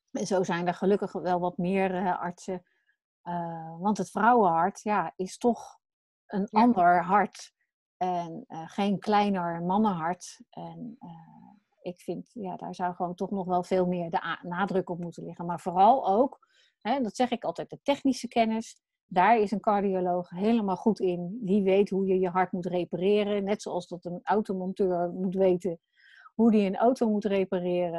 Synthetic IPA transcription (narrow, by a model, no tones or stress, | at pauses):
ɛnzowzɛjndəɹχəlɵkəχʋɛlˠʋɑtmɪːrəʔɑ̰ɹtsə | əʋɑntɦətfrɑwəɦɑɹtjaːɪstɔχ | ʔənɑndəɹɦɑɹt | ɛnəχejnklɛjnəɹmɑnəɦɑɹtʔɛnə | ɪkfɪntjaːda̰ːɹzawχəʋowntɔχnɔχʋɛlˠvɪːlˠmɪːɹdəʔnaːdrəkɔpmutənlɪχənmaːɹvoːrɑlˠowk | ɦɛdɑtsɛχɪkɑlˠtɛjt̚dətɛχnisəkɛnəs | daːɹɪsənkɑɹdiolowχɦejləmaːlˠχutɪnʋiʋejtɦujəjəɦɑɹtmutrejparɪːrənɛtsowɑlˠsdɑtənawtomɔntøːɹmutʋejtə | ɦudiənawtowmutrejparɪːrə